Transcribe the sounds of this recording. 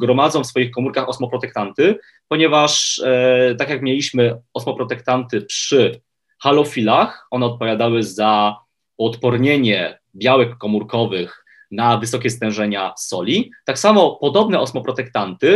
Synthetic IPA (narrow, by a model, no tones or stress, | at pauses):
ɡɾɔmad̪zɔ̃w̃fsfɔjixkɔmuɾkaxɔsmɔpɾɔt̪ɛkt̪ant̪ɘ | pɔɲɛvaʂ | t̪akʲjakmʲjelʲiɕmɘɔsmɔpɾɔt̪ɛkt̪ant̪ɘpʂɘ | xalɔfʲilaxɔnɛɔt̪̚pɔvʲjad̪awɘza | uɔt̪pɔɾɲeɲɛ | bʲjawɛkːɔmuɾkɔvɘx | navɘsɔkʲɛst̪ɛ̃wʐɛɲasɔlʲit̪aksamɔpɔd̪ɔbnɛɔsmɔpɾɔt̪ɛkt̪ant̪ɘ